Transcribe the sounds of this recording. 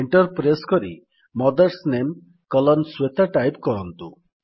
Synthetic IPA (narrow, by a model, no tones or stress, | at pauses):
eɳʈɔɾpɾeskɔɾḭ | mɔd̪ɔɾsnem | kɔlɔnswet̪ʰaʈajpkɔɾɔnt̪ṵ